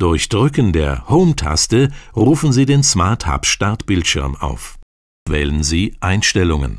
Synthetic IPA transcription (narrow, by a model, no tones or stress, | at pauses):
d̥ʊɐçd̥ʁʏkəndeːɐhoʊmtʰa̰stəʁuːfn̩ziːdeːnsmaɐtha̰pʃtaɐtb̥ɪltʃɪɐma̰ʊf | v̥ɛ̰ːlənziːʔaɪnʃtɛlʊŋə̰n